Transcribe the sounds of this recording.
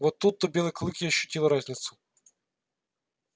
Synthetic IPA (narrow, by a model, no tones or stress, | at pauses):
vot̪ːut̪ːəbʲe̞lˠəjklˠɨkʲɪɐɕːʉ̥tʲilˠɾazʲnʲɪt̪sʊ̥